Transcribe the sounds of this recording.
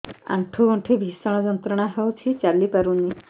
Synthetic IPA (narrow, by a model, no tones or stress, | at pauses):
ã̰ɳʈʰuɡɔ̃ɳʈʰibʱisɔɽ̃ɔd͡ʒɔnt̪ɾɔɽ̃aɦewt͡ʃʰit͡ʃalipaɾunːi